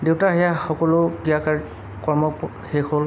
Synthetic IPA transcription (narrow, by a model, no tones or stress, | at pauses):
dewtaɦɛjaxɔkɔlʊɡijakaɹ | kɔɹmɔk | hexol